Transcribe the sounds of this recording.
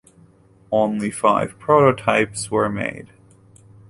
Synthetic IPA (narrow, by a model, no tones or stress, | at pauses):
õʊ̃nlifaɪv̥pʰɹ̥oɾotʰaɪpswə˞mḛɪd̥